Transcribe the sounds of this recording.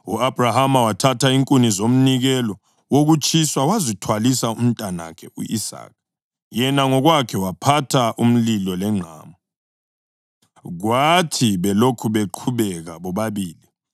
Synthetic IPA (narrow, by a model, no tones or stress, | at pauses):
uabʱrahamawatʰatʰaiŋkʼunizom̩niɣɛlɔ | woɣut͡ʃʼʰiswawazitʰwalisaum̩tʼana̰kʰɛṵisa̰ːk̚ʰ | jɛnaŋɔɣwakʰɛwapʰatʰaʔum̩lilɔlɛŋ͡ǁʱa̰ːmɔ | ɣwatʰiβɛlokʰuβeǃʰuβɛɣaβɔβaβiːli